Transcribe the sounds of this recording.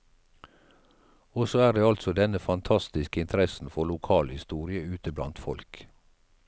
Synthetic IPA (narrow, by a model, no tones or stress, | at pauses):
oːsoːæːd̪eːɑlt̪sɔd̪ɛnəfɑnt̪ʰɑst̪ɪskəɪnt̪əɾɛsn̩fɔlʊkʰɑːlhɪst̪uːɾɪəʉːt̪əblɑ̰nt̪fɔ̰lk